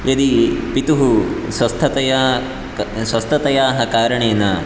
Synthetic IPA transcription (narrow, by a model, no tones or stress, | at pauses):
jɐd̪ipit̪uɦuswɐst̪ʰɐt̪ɐja | swɐst̪ʰɐt̪ɐjaːɦɐkaːɾɐɳeːnɐ